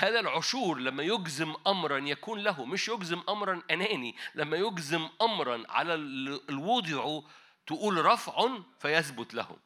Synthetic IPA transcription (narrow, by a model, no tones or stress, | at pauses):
hæːðælʕʊʃuːɾˤlæmːæjʊɡzɪmʔɑmɾˤɑnjækuːnlæɦʊmɪʃjʊɡzɪmʔɑmɾˤɑnʔænæːnilæmːæjʊɡzɪmʔɑmɾˤɑnʕa̰lælwuːd̪ˤɪʕu | t̪ʊʔuːlɾˤɑfʕʊnfæjæθbʊt̪læ̰hʊ̰